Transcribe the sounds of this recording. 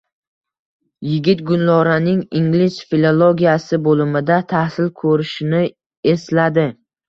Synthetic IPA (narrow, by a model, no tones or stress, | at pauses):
jɪɡʲɪt̪̚ɡʊnlɒɾanɪŋiŋlɪʃfilˠolˠoɡʲijasɪbolɪmɪd̪at̪ʰahsɪlkʰɵɾɪʃɪnɪ | e̞slad̪ɪ